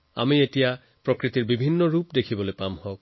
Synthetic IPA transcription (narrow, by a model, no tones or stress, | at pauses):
a̰mietija | pɹokɹitiɹbibʱinːɔɹupdekʰibɔlojpamhɔk̚